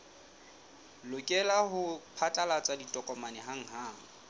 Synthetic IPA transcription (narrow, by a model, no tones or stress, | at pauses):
lʊkʼɛlahʊpʰat͡ɬʼalat͡sʼaditʼɔkʼɔmanɛɦaŋ̩ɦaːŋ̩